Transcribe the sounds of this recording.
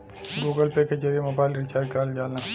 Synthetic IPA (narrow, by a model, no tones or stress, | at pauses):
ɡuːɡəlpeked͡ʒɐɾijemoːbaːɪlɾɪt͡ʃaːɾkaːld͡ʒaːlaː